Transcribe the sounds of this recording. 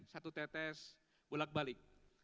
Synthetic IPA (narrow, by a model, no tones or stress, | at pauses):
sat̪ut̪ɛt̪ɛs | bulak̚balɪk̚